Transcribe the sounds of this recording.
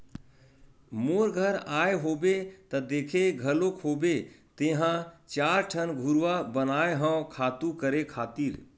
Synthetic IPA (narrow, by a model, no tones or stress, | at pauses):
moɾɡʱəɾaːeɦoːbet̪əd̪eːkʰeɡʱəlokʰobet̪eɦãt͡ʃaːɾʈʰənɡʱuɾʋabənaːeɦə̃kʰaːt̪ũkəɾekʰaːt̪iːɾ